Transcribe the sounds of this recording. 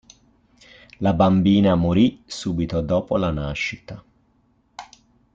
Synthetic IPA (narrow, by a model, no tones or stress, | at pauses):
labambiːnamoɾisuːbit̪od̪ɔːpolanaʃːit̪a